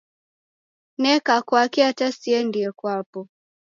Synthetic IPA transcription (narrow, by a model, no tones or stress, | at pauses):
nɛkakwakiatasiɛndiɛkwapɔ